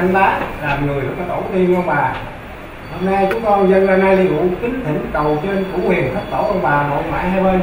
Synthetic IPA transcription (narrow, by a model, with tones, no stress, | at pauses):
nlaː˨˦laː˨˩mŋɨ˨˩əjɨ˨˩ɔ˧˩t̪o̰˧˩˦t̪i˧ənʔɔ˧ŋ͡mɓaː˨˩ | ho˧mna˧jt͡ɕʊ˨˦ŋ͡mkɔ˧nzə˧nzaː˧na˧jɗi˧ŋṵ˧˨˦kï˨˦ŋt̪ʰi˧˩˦kə˨˩wt͡ɕe˧nkṵ˧˥hwi˨˩əŋt̪ʰə˦˥k̚t̪o̰˧˩˦ʔɔ˧nɓaː˨˩mo̰˨˩t̚ma̰ː˧˨jhaː˧jɓə˧n